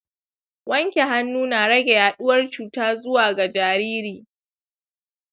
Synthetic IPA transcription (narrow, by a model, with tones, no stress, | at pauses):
wɐ˦ŋkʲe˨ɦa˦nːuː˦naː˨ɽɐ˦ɡʲe˨jaː˨ɗʊ˦wɐ˦rt͡ʃuː˨taː˦zʊ˦waː˨ɡa˨d͡ʒaː˨ɾiː˦ɾiː˨